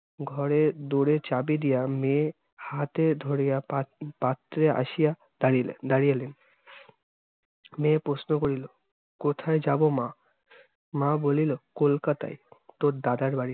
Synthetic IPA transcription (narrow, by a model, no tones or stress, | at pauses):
ɡʱɔɾed̪oɽet͡ɕabid̪ijame | hat̪ed̪ʱoɽijapat̪ːɾea̰ʃija | aid̪aɽijelen | mẽpɾosnokoɾilo | kot̪ʰaed͡ʑabomã | mãbolilokolkat̪a̰jt̪oɾd̪ad̪aɾbaɽi